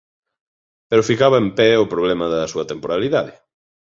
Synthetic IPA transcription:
peɾʊfikaβɐempɛʊpɾoβlɛmɐðɐsuɐt̪empoɾaliðaðɪ

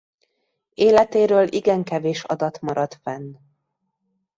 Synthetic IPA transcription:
eːlɛt̪eːɾøːlʔiɡɛŋkɛveːʃɒ̰d̪ɒt̪mɒɾɒt̪fɛnː

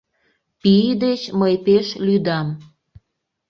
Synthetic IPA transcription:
pid̪et͡ɕməjpeʃlyd̪ɑm

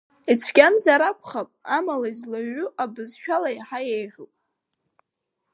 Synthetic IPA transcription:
it͡sʷʰɡʲamzaɾakʷʰʼχapʼamalaizlaɥʊʔabɨzʃᶣalajħajejʁʲɨpʼ

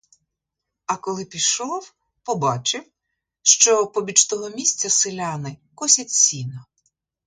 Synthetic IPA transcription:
ɐkɔlˠɪpʲiʃɔw | pɔbɑt͡ʃɪw | ʃt͡ʃɔpɔbʲit͡ʃt̪ɔɦɔmʲisʲt͡sʲɐsɪlʲanɪkɔsʲɐt͡sʲsʲinɐ

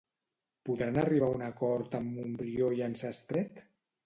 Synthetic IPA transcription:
puðɾanəriβ̞aunakɔɾt̪əmːumbɾioiansəst̪ɾɛt̪

